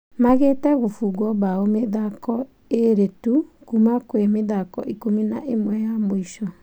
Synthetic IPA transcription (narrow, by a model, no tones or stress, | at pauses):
maɣetɛɣofuɣwɔβaomeðakɔ | eɾetukumakwemeðakɔ̰ʔikominaʔemwɛjamoiʃɔ